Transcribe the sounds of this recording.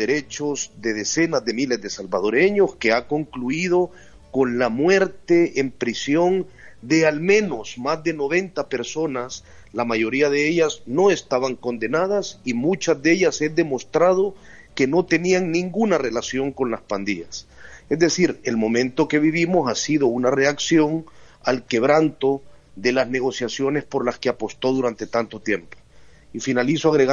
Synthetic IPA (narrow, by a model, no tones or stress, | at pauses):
eɾe̞t͡ʃo̞zd̪e̞ð̞e̞se̞nazðe̞mile̞zðe̞salbað̞o̞ɾe̞ɲo̞ske̞ako̞ŋkluið̞o̞ | ko̞nlamwe̞ɾt̪e̞empɾisjo̞nd̪e̞almẽ̞no̞smazd̪e̞no̞β̞e̞nt̪ape̞ɾso̞nas | lamaʝo̞ɾiaðe̞eʎasno̞e̞st̪aβaŋko̞nd̪e̞nað̞asimut͡ʃazd̪e̞ʎase̞d̪e̞mo̞st̪ɾað̞o | ke̞no̞t̪e̞niaŋnĩŋɡunare̞lasjo̞ŋko̞nlaspand̪iʝase̞zd̪e̞siɾe̞lmo̞mẽ̞nt̪o̞ke̞β̞iβ̞imo̞sasiðo̞unare̞aksjo̞ŋ | alke̞βɾant̪o̞ðe̞lazne̞ɣo̞sjasjo̞ne̞spo̞ɾlaske̞apo̞st̪o̞ðuɾant̪e̞t̪ant̪o̞t̪je̞mpo | ifinalisoaɣɾeɣ